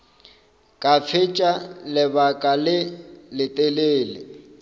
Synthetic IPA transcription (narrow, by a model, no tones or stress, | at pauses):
kʼafʰɪt͡ʃʼalɪbakʼalɪlɪtʼeleːlɪ̰